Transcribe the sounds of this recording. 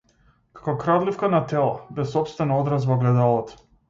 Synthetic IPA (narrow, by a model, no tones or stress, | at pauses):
kḁkɔkɾad̪lifkanat̪ɛlˠa̰bɛsɔpst̪vɛnaɔd̪ɾas̬vɔɡlɛd̪alˠɔt̪